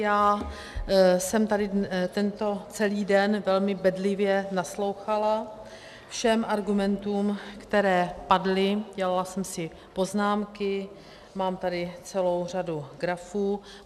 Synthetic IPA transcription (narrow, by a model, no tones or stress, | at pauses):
jaː | sɛmt̪adɪt̪ɛnt̪o̞t͡sɛliːdɛnvɛlmɪbɛdlɪvjɛnaslo̞wxala | fʃɛmʔaɾɡumɛnt̪uːmkt̪ɛɾɛːpadlɪɟɛlalasɛmsɪ | po̞znaːmkɪ | maːmt̪adɪt͡sɛlo̞wr̝aduɡɾafuː